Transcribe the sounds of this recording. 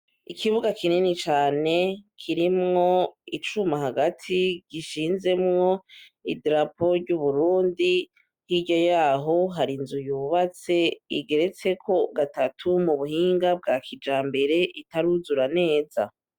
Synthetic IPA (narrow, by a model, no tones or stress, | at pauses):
ikʰiβuɡakininit͡ʃaːne̞kʰiɾimŋo̞it͡ʃumaɦaɡatʰiɡ̥iʃiːnze̞mŋo̞idɾapo̞ɾɟuβuɾuːndi | hiɟo̞jaːɦo̞ɦaɾinzujuːβat͡se̞iɡe̞ɾe̞t͡se̞kʰo̞ɡatatʰumuβuhiːŋɡab̚ɡaːkʰid͡ʒaːmbe̞ɾe̞ʔitaɾuzuɾane̞ːza